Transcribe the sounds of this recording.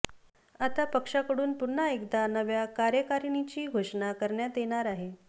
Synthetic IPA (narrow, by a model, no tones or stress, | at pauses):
at̪apəkʂakəɽuːnpun̤ːaekd̪anəʋjakaɾjəkaɾinit͡ɕiːɡʱoʂnakəɾɳjat̪jeɳ̃aɾaɦe